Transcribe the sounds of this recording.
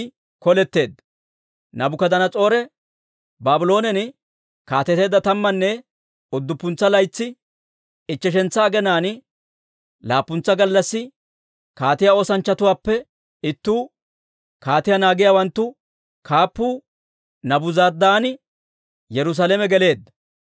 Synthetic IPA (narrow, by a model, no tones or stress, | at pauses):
kɔlɛt̪ːe̞ːd̪ | nɐbʊkɐd̪ɐnɐt͡sʼo̞ːɾɛ | baːbʊlo̞ːnɛnɪ | kaːt̪ɛt̪e̞ːd̪ːɐt̪ɐmːɐnːɛ | ɔd̪ːʊpːʊnt͡sːɐlɐjt͡sːɪ | ɪt͡ʃːɛʃ̬ɛnt͡sːɐːɡɛnaːn | laːpːʊnt͡sːɐɡɐlːɐsːɪ | kaːt̪ɪjao̞ːsɐnt͡ʃːɐt̪ʊwaːpːɛ | ɪt̪ːuː | kaːt̪ɪjɐnaːɡɪjaːwɐnt̪ːʊ | kaːpːuː | nɐbʊzɐɾd̪aːnɪ | jɛɾʊs̬aːlɛmɛɡɛle̞ːd̪ːɐ